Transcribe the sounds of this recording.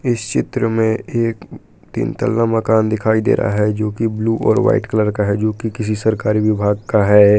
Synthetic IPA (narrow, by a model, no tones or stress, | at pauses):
ɪst͡ʃɪt̪ɾəmẽeːk | t̪ḭːnt̪ə̰lːamɐkaːnd̪ɪkʰaːid̪ḛːɾʔa̰ɦɛd͡ʒoːkibluːʔɔːɾʋa̰ːɪʈkələɾkaɦɛd͡ʒoːkikɪs̬isɐɾkaːɾiʋɪbʱaːɡ̚kaɦɛː